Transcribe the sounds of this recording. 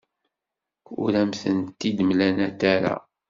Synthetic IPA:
ṵɾæmθənt̪ːid̪mlænæt̪æɾa̰

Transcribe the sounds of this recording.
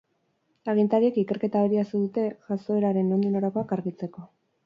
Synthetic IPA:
aɣint̪aɾie̞kike̞ɾke̞t̪aβeɾiasuðut̪e̞ʝaso̞e̞ɾaɾe̞no̞nd̪unoɾako̞akaɾɣit͡se̞ko̞

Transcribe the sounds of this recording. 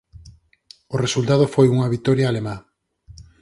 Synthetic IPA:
ʊresult̪að̞ofojuŋɐβit̪ɔɾjaːlema

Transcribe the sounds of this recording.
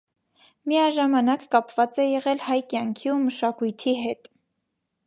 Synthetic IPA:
miɑʒɑmɑnɑkːɑpvɑt͡sɛjɛʁɛlhɑjkjɑŋkʰiuməʃɑkujt̪ʰiɦɛt̪

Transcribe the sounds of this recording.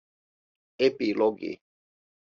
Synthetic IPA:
epilɔɡḛ

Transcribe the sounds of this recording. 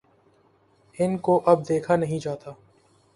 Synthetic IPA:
hɪnkoʔɐb̚d̪eːkʰanɐɦĩd͡ʒaːt̪aː

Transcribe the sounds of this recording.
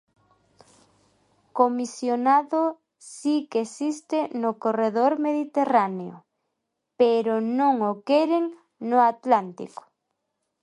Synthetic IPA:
komisjonaðo | sikesist̪enokoreðoɾmeðit̪eraneo̰ | peɾonõŋokɛɾeŋ | noat̪lant̪ḭko̥

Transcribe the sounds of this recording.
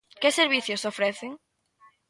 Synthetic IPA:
kɪseɾβiθjosofɾeθɪŋ

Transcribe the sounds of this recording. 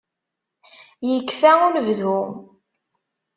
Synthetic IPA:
jəkːfæʊnvðum

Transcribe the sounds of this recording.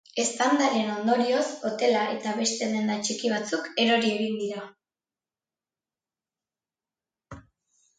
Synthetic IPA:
e̞st̪and̪aɾeeno̞nd̪o̞ɾio̞so̞t̪e̞laʔe̞t̪aβe̞st̪e̞ðe̞nd̪at͡ʃikiβ̞at͡suke̞ɾo̞ɾie̞ɣind̪iɾa

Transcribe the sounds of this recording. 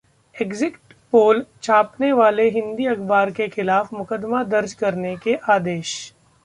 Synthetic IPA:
ekzɪkʈpoːlt͡ʃʰaːpneʋaːleɦɪ̃nd̪iɐkbaːɾkexɪlaːfmʊkəd̪mad̪ɐɾd͡ʒkɐɾnekeʔaːd̪eːʃ

